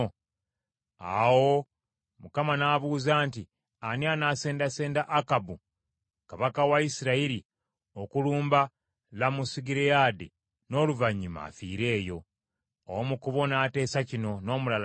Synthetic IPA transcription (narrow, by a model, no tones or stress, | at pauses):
a̰wo̞ | mukamanaβuːzaːnti | anianase̞ːndase̞ːndaʔakabu | kaβakawaisiɾaiɾi | o̞kuluːmba | lamusiɡiɾejaːde | no̞ːluvaɲima̰fḭːɾe̞ːjo̞ː | womukuβo̞nate̞ːsacino̞no̞ːmulal